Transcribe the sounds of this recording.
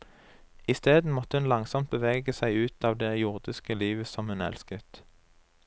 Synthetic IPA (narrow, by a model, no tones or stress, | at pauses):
ɪst̪eːd̪n̩mɔt̪əhʉnlɑŋsɔmt̪̚bəʋeːɡəsæɪʉːt̪ʰɑːʋd̪ɛjʊʁd̪ɪskəliːʋəsɔmhʉnɛ̰lskət̪